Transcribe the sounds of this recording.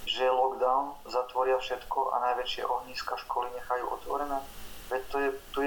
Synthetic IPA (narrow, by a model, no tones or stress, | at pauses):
ʒɛlɔɡd̪aʊnzat̪ʋɔɾɪafʃɛt̪kɔʔa̰najʋɛt͡ʃɪɛ̰ʔɔɦɲiːskaʃkɔliɲɛxajuːʔɔ̰t̪ʋɔ̰ɾɛnɛːʋɛt̪ɔɛt̪u